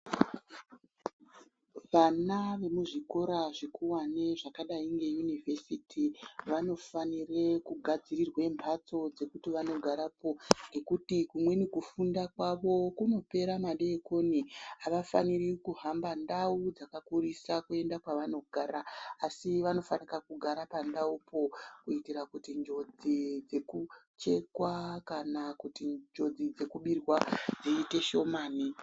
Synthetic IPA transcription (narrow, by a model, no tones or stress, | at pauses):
ʋanaʋe̞muʐiko̞ɾaʐikuwane̞ʐakaɗaiŋɡe̞junivʱe̞sitʰiʋano̞fanire̞kuɡʱad͡zirirwe̞mbʰʱat͡so̞d͡ze̞kutiʋano̞ɡʱaɾapo̞ŋɡe̞kutikumwe̞nikufundakwaʋo̞kuno̞pe̞ɾamaɗeːko̞niaʋafa̰nirikuɦambandaud͡zakakurisakue̞ndakwaʋano̞ɡʱaːɾaːsiʋano̞fanikakuɡʱaɾapandaupʰo̞kuitiɾakutind͡ʒo̞d͡zid͡ze̞ku | t͡ʃe̞kwakanakutid͡ʒo̞d͡zid͡ze̞kuɓirwad͡ziːte̞ʃo̞maːni